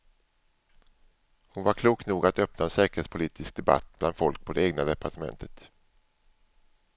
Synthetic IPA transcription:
hʊnvaɾkʰluːkt̪nuːɡat̪œpnaɛnsɛːkəɾhetspʰʊliːt̪ʰɪsk̚d̪ɛba̰t̪̚ːb̥la̰nd̪fɔlk̚pʰɔd̪ɛeːɡnad̪ɛpʰaʈamɛ̰nt̪ʰət̪

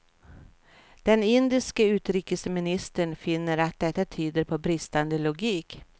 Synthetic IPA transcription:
d̪̥ɛnɪnd̪ɪskəʉ̟ːt̪ɾiːkəsmɪnɪst̪əɳfɪnːəɾat̪̚d̪ɛt̪ːat̪ʰyːd̪əɾpʰɔbɾɪst̪and̪əlʊɡiːk

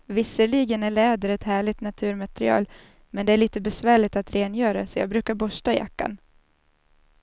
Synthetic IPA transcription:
vɪsəɭiɡənæɭɛːd̪əɾɛt̪hæːɭɪt̪nat̪ʰʉ̟ːɾmat̪ɾɪɑ̰ːl | mɛnd̪ɛæɭiːt̪əbɛsvæːɭɪt̪at̪ɾʔeːnjœːɾasɔjɑ̰ːɡbɾʉ̟ːkaɾbɔʂʈaja̰kːa̰n

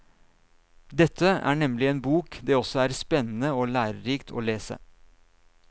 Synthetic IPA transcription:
d̪ɛt̪ʰːəæ̰ːɳɛmlɪeːnbuːkd̪eːɔsɔæːɾspɛnn̩əoːlæːɾəɾiːkt̪ʰo̰ːleːsə̰

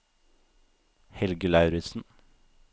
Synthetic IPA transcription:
hɛlɡəlɑʉɾɪsn̩

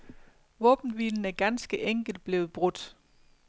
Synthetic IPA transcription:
ʋɔ̽ːb̥n̩ʋiln̩æɐɡ̥ænsɡ̥əʔeŋ̰ɡ̥l̩d̥̚b̥le̝ːʊð̩ˠb̥ʁɔd̥

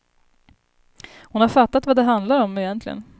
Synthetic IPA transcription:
hʊnhaɾfat̪ːat̪vad̪ɛɦand̪laɾɔmːɪjɛnt̪ʰlɪɡə̰n

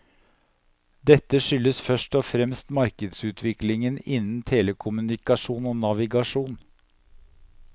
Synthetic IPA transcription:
d̪ɛt̪ːəʂʏlːəsfœʂʈɔfɾɛmst̪mɑɾkəd̪sʉːt̪ʰʋɪklɪŋənɪnn̩t̪ʰeːləkʰʊmʉnɪkɑʂuːnoːnɑʋɪɡɑʂuːn

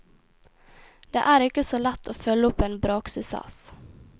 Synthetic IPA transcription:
d̪̥ḛːʔæːɾɪkəsoːlɛt̪ʰːoːfœlːəʊpːeːnbɾoːksʏsɛ̰s

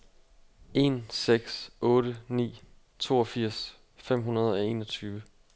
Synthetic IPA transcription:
e̝̰nseɡ̥sʔɔ̽ːɾ̥ənḭː | t͡sʰo̝̰ːɒfiɐ̰s | fem̰ɦunɐð̞ˠɒ̽e̝ːnɒt͡sʰyːʋə

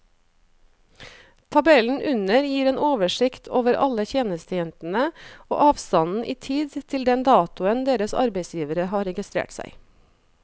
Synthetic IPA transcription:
t̪ʰɑbɛln̩ʔʉnəɾjiːɾeːnʔoːʋəʃɪkt̪ʰoːʋəɾɑ̰ləçeːnəst̪əjɛnt̪n̩əo̰ːʔɑːʋst̪ɑnn̩ʔiːt̪ʰiːd̪t̪ʰɪld̪ɛnd̪ɑːt̪ʊənd̪eːɾəsɑ̰ɾbeɪsjiːʋəɾəɦɑːɾɛɡɪst̪ɾḛːʈsæ̰ɪ

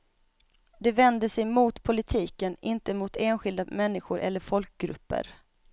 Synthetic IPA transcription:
d̪ɛvɛnd̪əsɛjmut̪pʰʊlɪt̪ʰiːkənɪnt̪əmʊt̪eːnɧɪld̪amɛnːɪɧʊɾʔɛ̰lːəɾfɔlk̚ɡɾɵ̰pːə̰ɾ

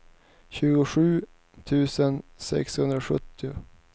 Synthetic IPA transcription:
ɕʉ̟ːɡʊɧʉ̟ː | t̪ʰʉ̟ːsənsɛ̰kshɵnd̪ɾaɧɵt̪ːɪʊ

